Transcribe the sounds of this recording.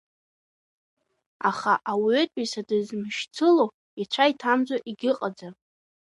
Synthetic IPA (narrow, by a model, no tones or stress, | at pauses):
aχaʔawøtʼisadɨzmɨʃt͡sʰɨlo | it͡ʃʷʰaitʰamd͡zʷoʔiɡʲɪqʼad͡za